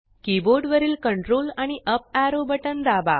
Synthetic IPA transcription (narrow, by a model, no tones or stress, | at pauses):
kiboɾɖʋəɾiːlkəɳʈɾolaɽ̃iʔəp̚aɾobəʈənd̪aba